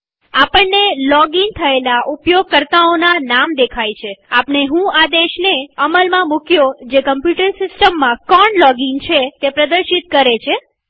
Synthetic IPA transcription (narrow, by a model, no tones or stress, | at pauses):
apəɳnelɔɡiŋt̪ʰəelaʔupjoɡ̚kəɾt̪aonanamd̪ekʰajt͡ʃʰeapɳeɦũad̪eʃneəməlmãmukjod͡ʒekəmpjuʈəɾsɪsʈəmːãkɔɳlɔɡiŋt͡ʃʰet̪epɾəd̪əɾʃit̪̚kəɾet͡ʃʰe